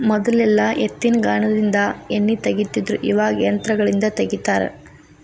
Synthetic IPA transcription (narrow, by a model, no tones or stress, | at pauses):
mɔd̪ɐlɛlːɐʔet̪ːinɡaːɳɐd̪ind̪ɐenːit̪ɐɡit̪ːid̪ɾuʔiʋaːɡeːnt̪ɾɐɡɐɭind̪ɐt̪eɡit̪aːɾḛ